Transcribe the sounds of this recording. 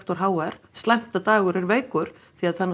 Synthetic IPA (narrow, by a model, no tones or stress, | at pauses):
t̪ɔɾ̥ɦaːwɛɾ̥st̪lɛm̥t̪at̪aːɣʏɾɛɾveːjkʏɾ̥ | θiaðθanːa